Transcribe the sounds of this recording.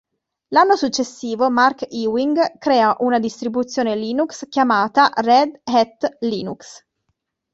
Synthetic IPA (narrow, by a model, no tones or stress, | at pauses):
lanːosut͡ʃːesːiːvomarkiwiŋɡkɾɛːaʔunad̪ist̪ɾibut̪sːjoːneliːnukskjamaːt̪arɛd̪hɛt̪ːliːnuks